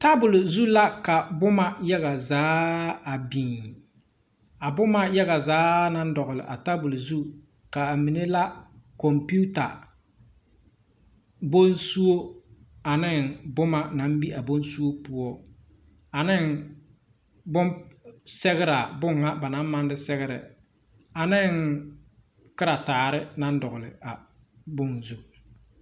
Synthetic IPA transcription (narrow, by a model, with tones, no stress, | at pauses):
ta˦bʊ˨lzu˦la˦ka˨bʊ˦ma˦jɛ˦ɣa˨zaː˨˦a˨bi˨ŋ˨ | a˨bʊ˦ma˦jɛ˦ɣa˨zaː˨˦na˦n˦dɔ˨ɣʊ˨lɨ̰˨ʔa̰˨ta˦bʊ˨lzu˦ | ka˨mi˨ne˦la˦kɔ˨mpi˦u˦ta̰˨ | bo˦nsu˦o˦ | a˨nɪ˦ŋbʊ˦ma˦na˨˦m˦bi˦ʔa˨bo˦nsu˦o˦pʊ˦ɔ˦ | a˨nɪ˦ŋ | bʊ˦msɛ˦ɣɪ˦ɾa˨bʊ˦ŋːa˦ba˨na˦m˦ma˦n˦dɪ˦sɛ˦ɣɪ˦ɾɛ̰˨ | a˨nɪ˦ŋ | kɪ˦ɾa˨taː˨ɾɪ˦na˦n˦dɔ˨ɣʊ˨lɪ̰˨a˨ | bʊ˦ŋzu˦